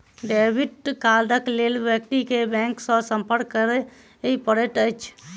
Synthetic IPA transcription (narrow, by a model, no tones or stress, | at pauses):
ɖɛbʱiʈkald̪əklelbjək̚ʈikebɛ̃ŋksə̃səmpəɾɡ̚kːəɾɛ | ipəɾəʈəjt͡ʃʰ